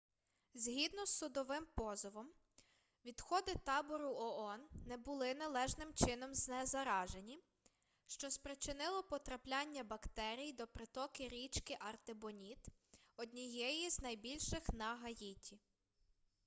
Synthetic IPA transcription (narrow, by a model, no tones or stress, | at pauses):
zʲɦʲid̪nɔsːʊd̪ɔʋɪmpɔzɔʋɔm | ʋʲid̪̥xɔd̪ɪt̪ɑbɔɾʊɔɔnːɛbʊlˠɪnɐlˠɛʒnɪmt͡ʃɪnɔmznɛzɐɾɑʒenʲi | ʃt͡ʃɔspɾet͡ʃɪnɪlˠɔpɔt̪ɾɐplʲɑnʲːɐbɐkt̪ɛɾʲijd̪ɔpɾɪt̪ɔkɪɾʲit͡ʃkɪʔɐrt̪ɪbɔnʲit̪ɔd̪ʲnʲijɛjiznɐjbʲilʲʃɪxnɐɦɐjitʲi